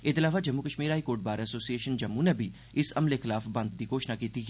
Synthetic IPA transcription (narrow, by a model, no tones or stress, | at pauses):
ɪt̪ɪlaːʋad͡ʒɐmːukəʃmiːɾɦaːikoːɾʈ̚baːɾɛsoːsieːʃənd͡ʒɐmũnebʱi | ɪsɐmlexɪlaːfbɐ̃nd̪̚t̪ikoːʃnakiːt̪i